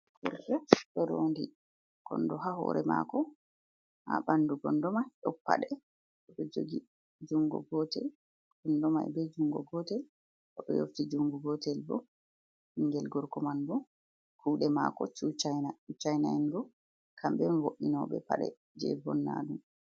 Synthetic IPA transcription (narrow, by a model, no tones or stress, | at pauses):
kuɾfɛɗɔɾondi | ɡ̥ɔndɔɦahɔ̰ɾɛma̰kɔ | habanduɡɔndɔmajɗɔpːa̰ɗɛ | ʔɔɗɔd͡ʒoɡi | d͡ʒuŋɡɔ̰ɡɔtɛl | ɡ̥ɔndɔma̰jbɛd͡ʒuŋɡɔɡɔtɛl | ʔɔɗɔ̰jo̰ftid͡ʒuŋɡuɡɔtɛlbɔ | hiŋɡɛlɡɔɾkɔmanbɔ | kʰuːɗɛmakɔt͡ʃut͡ʃajnat͡ʃut͡ʃajnaɛndɔ | kʰambɛnwoʔinɔbɛpaɗɛ̰ | d͡ʒɛbɔnːa̰dum